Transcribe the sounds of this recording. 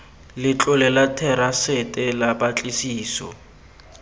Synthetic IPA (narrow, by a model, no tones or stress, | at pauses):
lɪt͡ɬʼʊlɛlatʰɛɾasɪtʼɛlapʼat͡ɬʼisiːsɔ̰